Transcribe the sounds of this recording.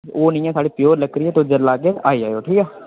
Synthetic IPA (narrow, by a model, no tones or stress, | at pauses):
oːnĩːɛːsaːɽiːpɪjoːɾləkɾiːɛːt̪od͡ʒəlaːɡeːaːiːaːjoːʈʰiːkɛː